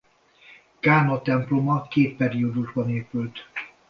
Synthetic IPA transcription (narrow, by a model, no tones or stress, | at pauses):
kaːnot̪ɛmplomɒkeːt̪̚pɛɾiod̪uʒbɒneːpylt̪